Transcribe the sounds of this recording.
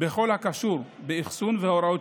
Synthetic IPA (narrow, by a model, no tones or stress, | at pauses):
beχo̞lhakaʃuɾ | beiχsunveoɾao